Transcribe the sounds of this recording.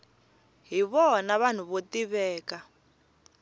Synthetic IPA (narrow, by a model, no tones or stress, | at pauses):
ɦiβɔnaβan̤uβotiβɛːka